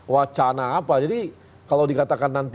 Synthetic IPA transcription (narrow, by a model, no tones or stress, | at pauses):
wat͡ʃanaːpad͡ʒadi | kalawdikat̪akanːant̪